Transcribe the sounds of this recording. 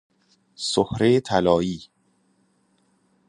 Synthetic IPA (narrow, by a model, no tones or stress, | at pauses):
sohɾet̪ʰælɒːiː